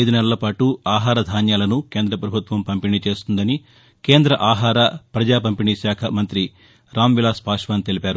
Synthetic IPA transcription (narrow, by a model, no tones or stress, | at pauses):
jd̪unɛlɐlɐpaːʈuaːɦaːɾɐd̪ʱaːnjaːlɐnuke̞ːnd̪ɾɐpɾɐbʱut̪ʋɐmpɐmpiɳit͡ʃe̞ːst̪und̪ɐni | ke̞ːnd̪ɾɐʔaːɦaːɾɐpɾɐd͡ʒaːpɐmpiɳiʃaːkʰɐmɐnt̪ɾi | ɾaːmʋilaːspaːʂʋaːnt̪elipaːɾu